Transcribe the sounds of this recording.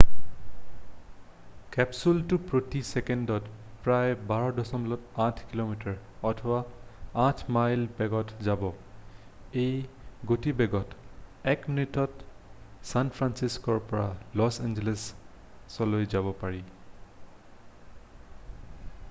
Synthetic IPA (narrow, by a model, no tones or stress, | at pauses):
kɛpsultupɹotisɛkɛndɔt | pɹajbaɹɔdɔsɔmlɔtãtʰkilomitɔɹ | ɔtʰɔbaãtʰmajlbɛɡɔtʰzabɔ | ejɡotibɛɡɔtɛkminitɔt | sanpʰɹansiskɔɹpɔɹalɔsɛnd͡ʒɛlesː | ɔlojzabɔpaɹi